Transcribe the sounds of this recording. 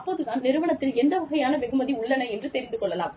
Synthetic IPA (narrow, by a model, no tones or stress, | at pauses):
ɐpːoːðɯðaːnnɪɾɯʋɐɳɐt̪ːɪlɛnd̪ɐʋɐɣɐjaːnɐʋɛɣɯmɐðiʊɭːɐnɐɛndrɯt̪ɛɾɪnd̪ɯkɔɭːɐlaːm